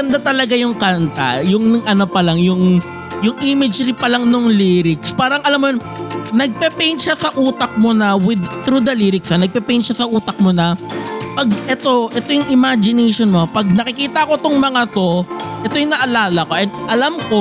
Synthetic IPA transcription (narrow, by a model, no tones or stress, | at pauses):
ɡɐnd̪at̪ɐlɐɡajʊŋkant̪ɐ̰jʊŋnʔɐno̞pɐlaŋjʊŋ | jʊŋʔiːmɪd͡ʒɾipɐlaŋnoŋliːɾɪkspaːɾɐŋɐlamːojon | nɐɡ̚pɛpɛjnʃasɐʔuːt̪ɐk̚monɐwɪd̪t̪ɾud̪ɐliɾɪksɐnɐɡ̚pɛpɛjnʃasɐʔuːt̪ɐk̚monɐpɐɡ̚ʔɛt̪o̞ʔɛt̪o̞jʊŋɪmad͡ʒɪnɛjʃonmo̞pɐɡ̚nɐkɪkiːt̪ɐɐkot̪oŋmɐŋat̪o̞ʔɛt̪o̞jʊŋnɐʔɐlaːlɐko̞ʔɛnʔɐlamko